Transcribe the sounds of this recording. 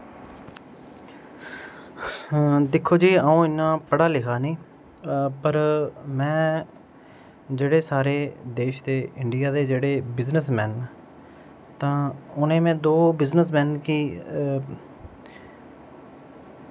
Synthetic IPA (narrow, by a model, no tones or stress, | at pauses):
d̪ɪkʰːoːd͡ʒiːəːũːɪnːãːpəɽaːlɪkʰaːnĩː | pəɾmɛ̃ː | d͡ʒeːɽeːsaːɾeːd̪eːʃd̪eːɪɳɖɪjaːd̪eːd͡ʒeːɽeːbɪznəsmɛːn | t̪ãːʊnẽːmɛ̃ːd̪oːbɪznəsmɛːnkiː